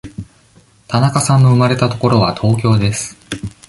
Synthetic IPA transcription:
t̪anakasãnːo̞ɯ̟maɾe̞t̪at̪o̞ko̞ɾo̞βat̪ʰo̞ːkʲo̞ːd̪e̞sɨ̥

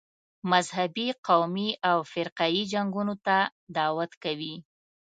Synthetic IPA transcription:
mazɦabiqawmiʔawfɪɾqɑjid͡ʒaŋɡunot̪ad̪ɑwat̪kawi

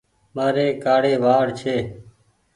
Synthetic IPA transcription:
maːɾeːkaːɽeːʋaːɽt͡ʃʰeː

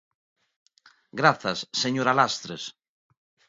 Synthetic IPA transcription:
ɡɾaθasːeɲoɾalast̪ɾes

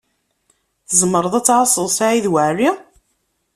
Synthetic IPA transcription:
θəzˤmːəɾˤəðˤæt͡sːʕɑsˤəðˤsaʕiðwəʕrːi

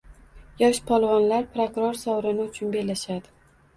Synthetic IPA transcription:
jɒʃpʰɒlˠvɒnlaɾpɾokɾoɾsɒwɾɪnɪʊt͡ʃʰʊnbe̞lːaʃad̪ɪ

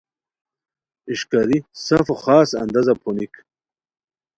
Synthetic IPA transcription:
iʃkaɾisafoχɑːsɐ̰nd̪azapʰunik

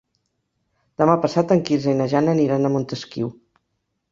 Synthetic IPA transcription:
d̪əmapəsat̪əŋkilzəjnəʒanəniɾanəmunt̪əskḭw

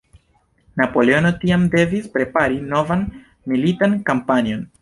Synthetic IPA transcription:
napo̞le̞ono̞tiamde̞vispɾe̞paɾino̞van | militankampanio̞n

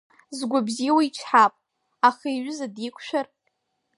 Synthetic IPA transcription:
zɡʷabzijwait͡ʃʷʰħapʼ | aχaijɥʷʊzadikʷʰʼʃᶣar

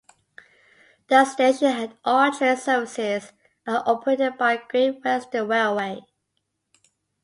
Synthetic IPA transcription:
ðəsteɪd͡ʒə̃ɦædɔtʰɛsəːvɪsɪz | ʔəʔɔpʰəɹetɪd̚baɪɡ̥ɹĩnwɛstəwɛlweɪ

